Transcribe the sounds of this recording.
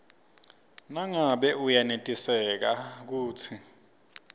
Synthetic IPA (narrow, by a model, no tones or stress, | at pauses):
naŋaɓɛʔujanetʼisɛk̬ak̬uːt͡sʰi